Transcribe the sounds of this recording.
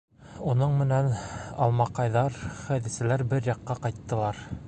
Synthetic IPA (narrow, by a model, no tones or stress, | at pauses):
unɤɴmɘ̆nænɑ̰lˠmɑqɑjðɑɾχæðɘ̆sɘ̆læɾbɘɾjɑqːɑqɑjt̪ːɤ̆lˠɑɾ